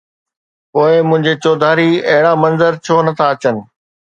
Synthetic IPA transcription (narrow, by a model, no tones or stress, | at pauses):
poːɪmʊ̃ɦɪ̃ɲd͡ʑet͡ɕoːd̪ʱaːɾiɐɦɪɽamɐ̃nzəɾt͡ɕʰoːnɐt̪ʰaɐt͡ɕənɪ̆